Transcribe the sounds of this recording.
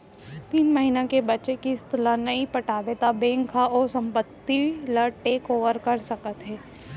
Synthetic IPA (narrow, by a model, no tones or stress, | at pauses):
t̪iːnməɦiːnãkebɐtːt͡ʃekiɪst̪ʰlanɐipɐʈaːʋet̪abẽːŋkʰaɔːɾsɐ̃mpət̪ːilɐʈeːkoːʋəɾkɐɾsɐkət̪ɦɛː